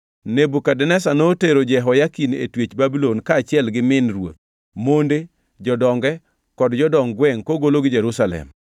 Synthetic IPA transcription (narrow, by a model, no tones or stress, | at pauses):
nebukadɛnɛsanoteɾod͡ʒɛɦɔjakinḛtwet͡ʃbabilonkaːt͡ʃɪɛlɡɪmɪnɾwo̰t̪̚ | monde | d͡ʒɔdɔŋɡɛ | kɔdd͡ʒɔdɔŋɡwɛŋkoɡoloɡɪd͡ʒɛɾusalɛ̰m